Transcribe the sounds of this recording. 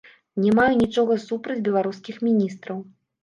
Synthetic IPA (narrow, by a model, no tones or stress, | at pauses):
nʲɛmajɛnʲit͡ʂɔɣɐsupɾɐd͡zʲbʲɛlˠaɾuskʲixmʲinʲist̪ɾɐw